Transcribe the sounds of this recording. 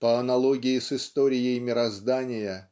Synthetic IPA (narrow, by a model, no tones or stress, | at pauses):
pəɐnɐlˠoɡʲɪjɪsɨst̪oɾʲɪjəjmʲɪɾɐzd̪anʲɪjə